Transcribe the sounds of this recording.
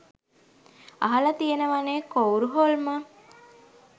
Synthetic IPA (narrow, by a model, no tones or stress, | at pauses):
ɐ̰ɦɐlət̪ienəʋaneːkowɾuɦolmə